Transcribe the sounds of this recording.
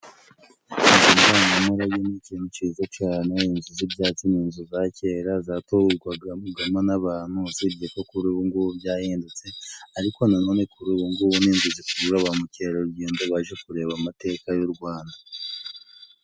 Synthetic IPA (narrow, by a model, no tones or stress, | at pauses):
iimbaːŋɡamuɾajoniciːn̥hut͡ʃiːzat͡ʃaːne̞inzuzibjaːt͡siniːnzuzace̞ːɾazaːtouɾɡwaɡauɡamanaβaːn̥huziɾɟekokuɾuβuŋɡuβubjaːjeːndet͡se̞aɾiko̞nanoːne̞kuɾuːβuŋɡuβuniːnzuzikuuɾaβamuce̞ːɾoɾuɟiːndoβaʒekuɾe̞ːβamate̞ːkajuɾɡwaːnda